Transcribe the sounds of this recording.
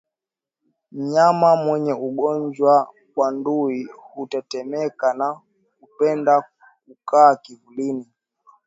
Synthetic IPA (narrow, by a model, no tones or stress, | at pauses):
m̩ɲamamwɛɲɛuɡɔɲd͡ʒwa | wanduihutɛtɛmɛkana | hupɛnda | kukaːkivulini